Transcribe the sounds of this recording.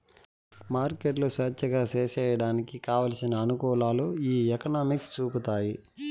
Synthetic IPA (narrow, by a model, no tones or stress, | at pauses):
maːɾkeʈlosɐːt͡ʃːɐɡaːseːʃɛːjɐɽaːnikikaːʋaːlɐsinɐːnukɔːlaːloːiːɛkɐnaːmikst͡ʃuːput̪aːji